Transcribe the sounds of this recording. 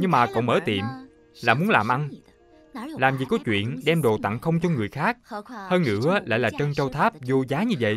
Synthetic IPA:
ɲɨ˧ŋmaː˨˩kɔ̰˧˨wŋ͡mməː˧˦t̪ḭ˨əm | la̰ː˧˨mu˨˦ənlaː˨˩mʔa˧n | laː˨˩mvi˨˩ko˨˦t͡ɕwḭ˧˨ənɗɛ˧mɗo˨˩t̪a̰˧˨ŋxə˧wŋ͡mt͡ɕɔ˧ŋɨ˨˩əjxaː˦˥k̚həː˧nŋɨ̰˧˥əla̰ː˧˨jlaː˨˩t͡ɕə˧nt͡ɕə˧wt̪ʰaː˦˥p̚zu˧zaː˨˦ɲɨ˧və̰˧˨

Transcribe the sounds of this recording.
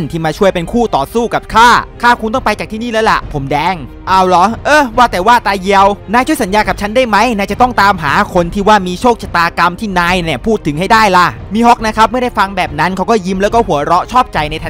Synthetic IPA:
nt̪ʰiː˥˩maː˧t͡ɕʰu˥˩əjpe˧nkʰuː˥˩t̪ɔː˨˩suː˥˩ka˨˩p̚kʰaː˥˩kʰaː˥˩kʰu˧nt̪ɔ˥˩ŋpa˧jt͡ɕaː˨˩k̚t̪ʰiː˥˩niː˥˩lɛː˦˥wla̰˨˩pʰo˩˦mdɛː˧ŋ | ʔa˧˩wlɔ˨˦ʔɤː˧˩waː˥˩t̪ɛː˨˩waː˥˩t̪aː˧ji˧əwnaː˧jt͡ɕʰu˥˩˨sa˩˦njaː˧ka˨˩t͡ɕʰa˦˥ndaː˥˩jma˦˥jnaː˧˩t͡ɕa˨˩t̪ɔ˥˩ŋt̪aː˧mɦaː˩˦kʰo˧nt̪ʰiː˥˩waː˥˩miː˧t͡ɕʰoː˥˩k̚t͡ɕʰa˨˩t̪aː˧ka˧mt̪ʰiː˥˩naː˧jni˧˩ɐpʰuː˥˩t̪ʰːɯ˨˩˦ŋɦa˥˩jdaː˥˩jla˧˩ | miː˧ɦo˦˥k̚na˦˥kʰa˦˥p̚mɯ˥˩ɐda˥˩jfa˧ŋbɛː˨˩p̚na˦˥nkʰa˦˥wkɔː˥˩ji˧mlɛː˦˥wkɔː˥˩hu˩˦ɐɾɔ˦˥t͡ɕʰɔː˥˩p̚t͡ɕa˧jna˧j̪ʰa˧˥

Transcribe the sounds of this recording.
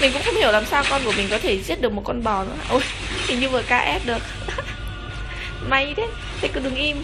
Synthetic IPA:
mi˨˩ŋ̟kʊ̰˧˥ŋ͡mxə˧wŋ͡mhi˧˩əwlaː˨˩msaː˧wkɔ˧nku˧˩əmï˨˩ŋ̟kɔ˨˦t̪ʰe˧˩zi˦˥ət̚ɗɨ˨˩əkmo˨˩kɔ˧nɓɔ˨˩nɨ̰˧˦˨ʔo˧˩jʰ | i˨˩ɲɨ˧vəː˨˩kaː˧ʔɛ˦˥p̚ɗɨ˨˩ək̚ | ma˧jt̪ʰe˨˦ | t̪ʰa˨˩jkɨ˧˩ɗɨ˨˩ŋʔi˧m

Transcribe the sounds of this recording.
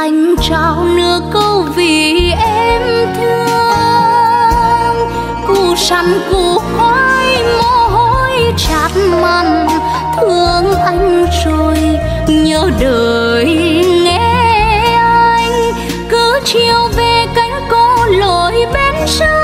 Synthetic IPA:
ʔa˧jŋ̟t͡ɕa˧˨˩wnɨ˧˥əkə˧wvi˧˨˩ʔɛ˧mt̪ʰɨ˧əə | ŋ | ku˧˩sa˧˩nku˧˩hwaː˧˦jŋɔ˧˥˧ɦo˧˥jt͡ɕaː˨˩t̚ma˧˩n | t̪ʰɨ˧əŋʔa˧jŋ̟zo˧˩j | ɲəː˧˦ɗəː˨˩jŋɛ˧˥ʔaː˧j | kɨ˨˦t͡ɕi˧əwve˨˩ka˨˦jŋ̟kɔ˧˥lo˧˨jɓe˧nsə˦˥

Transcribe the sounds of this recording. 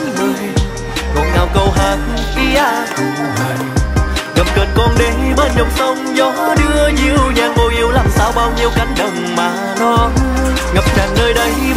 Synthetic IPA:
kɔ˨˩nŋaː˨˩wkə˧wɦaː˨˩k̚fi˧ʔaː˧˩˨ | ɣə˨˩p̚kəː˨˩nkɔ˧nɗe˨˦ɓəː˦˧t̚ɲə˨˩wk͡p̚sə˧wŋ͡mzɔ˨˦ɗɨ˧əzi˧˩əwɲaː˨˩ŋvo˧jʔi˧əwlaː˨˩msaː˧wɓaː˧wɲi˧əwka˨˦ŋ̟ɗə˨wŋ͡mmaː˨˩ | nɔ˧ | ɣə˨˩p̚t͡ɕaː˨˩nnəː˧jɗə˨˦j

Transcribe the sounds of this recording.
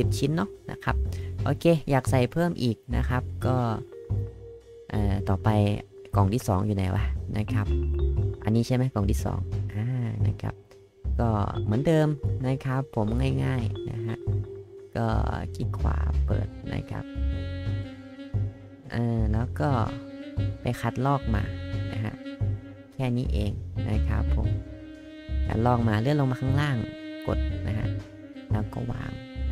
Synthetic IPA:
si˨˩p̚t͡ɕʰi˦˥nːɔ˦˥na̰˦˥kʰa˦˥p̚ʔoː˧kʰeː˧jaː˨˩k̚sa˨˩jpʰɤː˥˩mʔiː˨˩k̚na̰˦˧˥kʰa˦˥p̚kɔː˥˩ | ʔaː˨˩t̪ɔː˨˩pa˧j | kɔ˨˩ŋt̪ʰiː˥˩sɔː˩˦ŋjuː˨˩na˧jwa̰˧˩nʔa˦˥kʰa˦˥p̚ʔa̰˧nːiː˦˥t͡ɕʰa˥˩jma˦˥jkɔː˨˩ŋt̪ʰiː˥˩sɔ̰ː˩˦ŋʔaː˧˩na̰˦˧˩kʰa̰˦˥p̚ | kɔː˥˩mɯ˩˦əndɤː˧mna˦˥kʰa˦˥pʰːo˩˦mŋaː˥˩jŋaː˥˩jna̰˦˥kʰa˦˥ʔkɔː˧˥˩ki˧˩kʰwa̰ː˨˦pɤ̰ː˨˩t̪̚na̰˧˥kʰa̰˦˧˥p̚ | ʔɤː˧˩lɛː˦˥wkɔː˥˩ | pa˨jxʰa˧˦t̪̚lɔː˥˩k̚maː˧na̰˦˧˥kʰa̰˧˥ʔ | kʰɛː˥˩niː˦˧˥ʔeː˧ŋna˧˥kʰa̰˦˥pʰːo̰˨˩˦m | kʰa̰˧˩t̪̚lɔː˥˩k̚maː˧lɯ˧˩˨lo˧ŋmaː˧kʰaː˧˥ŋlaː˥˩ŋko̰˨˩t̪̚na˦˥kʰa̰˧˥ʔ | lɛː˦˥wkɔː˧˩wa̰ː˧˩ŋ

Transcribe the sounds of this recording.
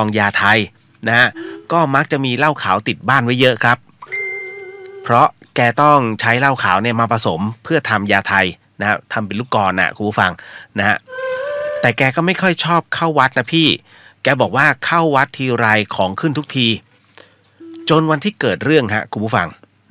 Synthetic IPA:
ɔː˧ŋjaː˧t̪ʰa˧j | na˦˥ha˦˥ʔkɔː˥˩ma˦˥k̚t͡ɕa˨˩ʔmiː˧la˥˩wkʰaː˩˦wt̪i˨˩t̪̚baː˥˩nwa˦˥jːɤ˦˥ʔkʰɾa˦˥p̚ | pʰɾɔ˦˥kɛː˧t̪ɔ˥˩ŋt͡ɕʰa˦˥jla˥˩wkʰaː˩˦wni˥˩ɐmaː˧pʰa˧so˩˦mpʰɯ˥˩ɐt̪ʰa˧mjaː˧t̪ʰa˧j | na˦ha˦˥t̪ʰa˧mp̬e˧nluː˦˥˩kɔː˧nʔa̰˨˩ʔkʰu˧npʰuː˦˥˩fa˧ŋna˦˥ha˦˥ʔ | t̪ɛː˨˩kɛː˧kɔː˥˩ma˥˩jkʰɔ˥˩jt͡ɕʰɔː˥˩p̚kʰa˥˩wwa˦˥t̪̚na˦˥pʰiː˥˩ | kɛː˧bɔː˨˩k̚waː˥˩kʰa˥˩wːa˦˥t̪ʰːiː˧ɾa˧jkʰɔː˩˦ŋkʰɯ˥˩nt̪ʰu˦˥k̚t̪ʰiː˧ | t͡ɕo˧nwa˧nt̪ʰiː˥˩kɤː˨˩t̪̚ɾɯ˥˩əŋa̰˦˥ʔkʰu˧pʰu˦˥˩fa˧ŋ

